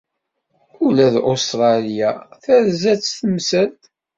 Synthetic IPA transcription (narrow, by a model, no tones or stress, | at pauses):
ulæðʔost̪ɾˤɑlijaθæðzæt͡sːθəmsælt̪